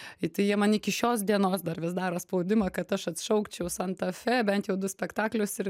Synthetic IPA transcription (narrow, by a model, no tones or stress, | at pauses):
ɪt̪ɐɪjiɛmɐnɪkʲɪʃʲoːsd̪ʲiɛnoːsd̪ɐrʋʲɪsd̪ɑːɾoːspɐʊd̪ʲɪmɐkɐt̪ɐʃɐt̪ʃɐʊkt͡ʃʲɛʊsɐnt̪ɐfʲɛːbʲɛnt̪jɛʊd̪ʊsʲpʲɛkt̪ɑːklʲʊsɪɾ